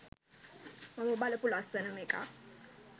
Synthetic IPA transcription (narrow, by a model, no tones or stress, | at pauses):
mamʊɓalɛpʊlasɛnɔmɪkʼa̰